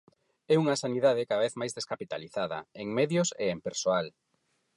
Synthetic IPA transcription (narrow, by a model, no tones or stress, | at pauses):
ɛuŋɐsaniðaðɪkaðaβeθmajzðeskapit̪aliθaðɐ̰eŋmeðjʊsḛːmpeɾsoal